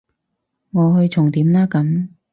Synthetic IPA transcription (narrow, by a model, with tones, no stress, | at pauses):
ŋɔː˨˧hɵ˧ɥt͡sʰʊ˨˩ŋt̪iː˨˥mlaː˥kɐ˨˥m